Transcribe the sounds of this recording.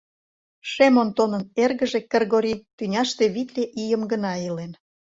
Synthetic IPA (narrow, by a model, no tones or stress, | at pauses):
ʃemont̪onə̆nerɣə̆ʒĕkerɣoɾʲit̪ynʲɑʃt̪eβit̪lʲeʔijəmɡənɑilen